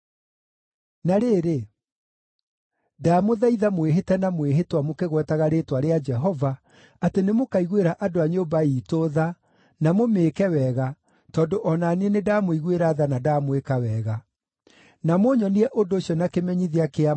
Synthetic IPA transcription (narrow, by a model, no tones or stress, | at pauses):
naɾeːɾe | daːmoðaiðamweɦetɛnamweɦetwamokeɣwɛtaɣaɾeːtwaɾead͡ʒɛɦɔva | atenemokaiɣweɾaʔadoaɲobaiːtoða | namomeːkɛwɛɣa | tɔːndoʔɔnaniɛnedamoiɣweɾaːðanadamwekawɛɣa | namoɲɔniɛʔondoːɕjɔnakemɛɲiðiakea